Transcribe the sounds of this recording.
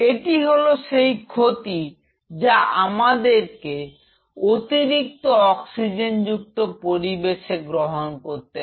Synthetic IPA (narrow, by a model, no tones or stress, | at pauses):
eʈiɦoloʃejkʰot̪i | d͡ʑaʔamad̪eɾke | ot̪iɾik̚t̪oɔksid͡ʑend͡ʑuk̚t̪opoɾibeʃeɡɾoɦonkoɾt̪e